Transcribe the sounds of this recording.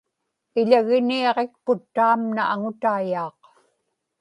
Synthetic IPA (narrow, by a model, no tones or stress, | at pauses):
ɪʎaɣɪniɑʁek̚pʊt̪ːaːmnaʔaŋʊt̪aːjɑːq